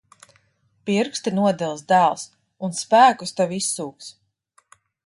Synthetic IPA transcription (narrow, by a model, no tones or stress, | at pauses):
piɾkst̪inuɔd̪ɛlˠsd̪æːlˠs | unspæːkust̪avisːuːks